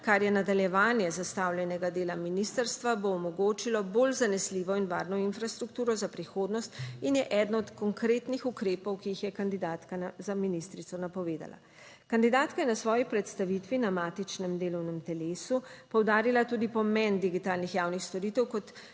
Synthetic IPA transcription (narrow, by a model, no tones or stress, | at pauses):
kaɾjɛnad̪aljɛʋaːnjɛzast̪aːwljɛnɛɡad̪eːlaminist̪əɾst̪ʋaboːmɔɡoːt͡ʃilɔbolzanɛsliːʋɔinʋa̰ːɾnɔinfɾast̪ɾuk̚t̪uːɾɔzapɾixoːd̪nɔst̪injɛʔɛːd̪nɔɔt̪kɔŋkɾeːt̪nixukɾeːpɔwkijixjɛkand̪id̪aːt̪kazaminist̪ɾit̪sɔnapɔʋeːd̪a̰la̰ | kand̪id̪aːt̪kajɛnasʋɔːjipɾɛt̪st̪aʋit̪ʋinamaːt̪it͡ʃnɛmd̪eːlɔwnɛmt̪ɛleːsupɔwd̪aːɾilat̪uːd̪ipɔmɛnd̪iɡit̪aːlnixjawnixst̪ɔɾit̪ɛwkɔt̪